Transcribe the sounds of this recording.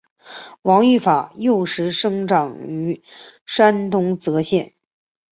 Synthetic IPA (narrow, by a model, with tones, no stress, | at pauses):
wɑ˧˥ŋy˥˩fa˨˩jo˥˩ʊʂɻ̩˧˥ʂɤ˥ŋʈ͡ʂɑ˨˩ŋy˧˥ʂa˥nt̪ʊ˥ŋt͡sɤ˧˥ɕjɛ˥˩n